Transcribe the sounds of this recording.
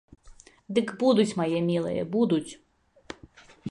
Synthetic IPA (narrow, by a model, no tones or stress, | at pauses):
d̪ɪkbud̪ʊtʲmɐjɛmʲilˠɛ̰jɛ̰bud̪ʊt͡sʲ